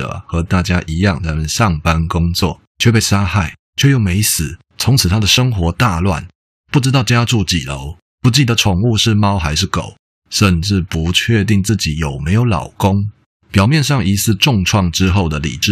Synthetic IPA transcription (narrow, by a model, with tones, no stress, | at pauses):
ə̰˨˩xɤ˧˥˦t̪a˥˩t͡ɕja˥ʔi˧˥jɑ˥˩ŋa˧˥mə˨nʂɑ˥˨˩ŋpa˥nkʊ˥ŋt͡swɔ̰˥˩ | t͡ɕʰɛ˥˧pe˥˩ɪʂa˥xa˥˩ɪ | t͡ɕʰjo˥˧jo˥˩ŋme˧˥ɪsɹ̩˨˩˦ | t͡sʰʊ˧˥ŋt͡s̩ʰ˨˩t̪ʰa˥d̪ə˨ʂə˥ŋxwɔ˧˥˦t̪a˥˧lwa̰˥˨n | pu˥˩ʈ͡ʂɻ̩˥t̪ɑ˥˩ʊʈ͡ʂja˥ʈ͡ʂu˥˩t͡ɕḭ˨˩lo˧˦ʊ | pu˥˧t͡ɕi˥˩d̪ə˨˦ʈ͡ʂʰʊ˨˩ŋu˥˧ʂɻ̩˥˩mɑ˥ʊxa˧˥ɪʂ̬ɻ̩˥˩ko̰˨˩˦ʊ | ʂə˥˧nʈ͡ʂɻ̩˥˩pu˧˦t͡ɕʰɥɛ˥˧t̪̬i˥˧ŋt͡sɹ̩˥˩t͡ɕi˨˦jo˨˩ʊme˧˥ɪjo˧˥ʊlɑ̰˨˩ʊkʊ˥ŋ | pjɑ˨˩ʊmjɛ˥˧nʂɑ˥˩ŋi˧˥sɹ̩˥˧ʈ͡ʂʊ˥˧ŋʈ͡ʂʰwɑ˥˩ŋʈ͡ʂɻ̩˥xo˥˩ʊd̪ə˩lḭ˨˩ʈ͡ʂɻ̩˥˩